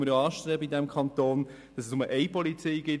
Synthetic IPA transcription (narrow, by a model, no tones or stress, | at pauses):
məɾjoɑːʃtɾeːbəidɛmkʰχɑnt̪oːn | d̥ɑsɛsʊməʔɛɪpɔlit͡siːɡɪ